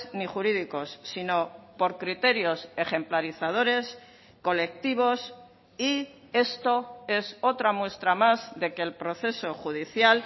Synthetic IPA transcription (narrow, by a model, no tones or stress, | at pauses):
niχuɾiðiko̞sːino̞po̞ɾkɾit̪e̞ɾjo̞se̞χe̞mplaɾiθað̞o̞ɾe̞s | ko̞le̞k̚t̪iβ̞o̞s | i | e̞st̪oe̞so̞t̪ɾamwe̞st̪ɾamazðe̞ke̞ːlpɾo̞θe̞so̞χuð̞iθjal